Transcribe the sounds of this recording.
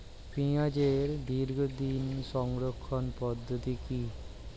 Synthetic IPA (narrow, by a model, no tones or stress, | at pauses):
piad͡ʑeɾd̪iɾɡʱod̪inʃɔŋɡɾokʰːonpɔd̪ʱːot̪iki